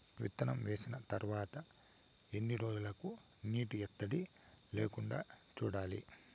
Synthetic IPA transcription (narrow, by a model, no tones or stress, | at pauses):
ʋḭt̪ːɐnɐmʋe̞ːsinɐt̪ɐɾʋaːt̪ɐ | e̞nːiɾo̞ːd͡ʒulɐku | niːʈuɛt̪ːɐɽi | leːkuɳɖa̰ː | t͡ʃuːɽaːlḭ